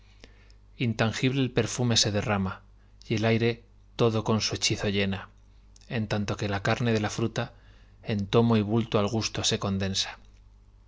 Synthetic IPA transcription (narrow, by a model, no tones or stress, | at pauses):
int̪aŋxiβle̞ːlpe̞ɾfume̞se̞ðe̞rama | je̞lajɾe̞ | t̪o̞ðo̞ko̞nsue̞t͡ʃiθoʎe̞na | e̞nt̪ant̪o̞ke̞lakaɾne̞ðe̞lafɾut̪a | e̞nt̪o̞mo̞iβ̞ult̪oalɣ̞ust̪o̞se̞ko̞nd̪e̞nsḁ